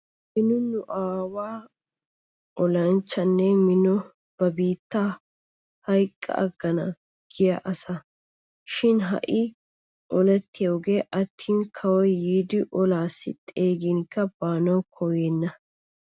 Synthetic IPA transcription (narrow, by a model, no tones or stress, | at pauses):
mɪnʊnʊʔaːwaː | ʔɔlɐnt͡ʃːɐnːɛmɪnɔ | b̥ɐbiːt̪ːa | hɐjkʼːɐ̰ʔɐɡːɐnɐ | ɡ̥ɪjɐʔɐsɐ | ʃɪnɦɐ̰ʔɪ | ʔɔlɛt̪ːɪjoːɡeːʔɐt̪ʰːiːnkʰɐwɔjːiːd̪ɪʔɔlaːsːɪ̰t̪ʼeːɡɪŋkːɐb̥aːnɐwkʰɔjeːnːɐ